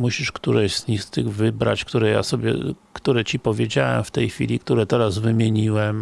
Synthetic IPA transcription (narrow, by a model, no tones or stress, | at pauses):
muɕiʂkt̪uɾɛʑzɲixst̪ɘɣvɘbɾa̰t͡ɕkt̪uɾɛja̰sɔbʲjɛ̰ | kt̪uɾɛt͡ɕipɔvʲjed͡ʑawɛ̰mft̪ɛjxfʲḭlʲik̚t̪uɾɛt̪ɛɾazvɘmʲjeɲiwɛm